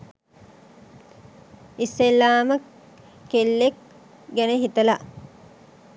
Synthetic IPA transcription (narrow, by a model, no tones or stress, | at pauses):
isːelːaːmə | kelːek̚ | ɡæneɦit̪əla